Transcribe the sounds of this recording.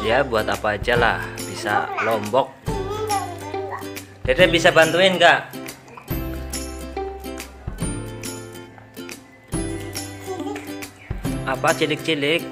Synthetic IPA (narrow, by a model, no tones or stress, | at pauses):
jabuat̪apaːd͡ʒala̰hbisa̰lɔmbɔk̚ | daɾabisabant̪uɪnkaʔ | apat͡ʃilɪk̚t͡ʃilɪk̚